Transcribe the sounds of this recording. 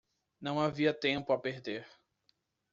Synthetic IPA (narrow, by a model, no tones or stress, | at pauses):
nɐ̃w̃aviɐt̪ẽmpʊapeɾd̪eɾ